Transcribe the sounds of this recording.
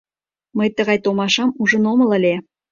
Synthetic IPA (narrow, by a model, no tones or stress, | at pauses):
məjt̪əɣɑjt̪omɑʃɑmuʒə̆nomə̆lə̆lʲe